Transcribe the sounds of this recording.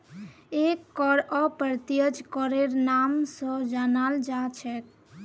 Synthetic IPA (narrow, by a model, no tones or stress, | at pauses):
ekːɔɾɔpəɾt̪ijəd͡ʒkɔɾeɾnamsə̃d͡ʒanald͡ʒat͡ʃʰɛk